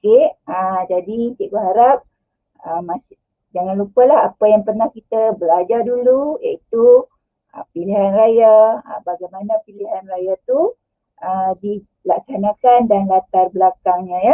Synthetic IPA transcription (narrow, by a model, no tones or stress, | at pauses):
okead͡ʒadit͡ʃiʔbəɦaɾap̚ | əmas | d͡ʒaŋanlupəlaɦapajaŋpərnahkit̪əbəlad͡ʒarduluja̰it̪u | ə̰piliɦanrajaəbaɡajmanəpiliɦanrajat̪u | ʔəmdi | lak̚sanakandanlat̪arbəlakaŋɲə̃ja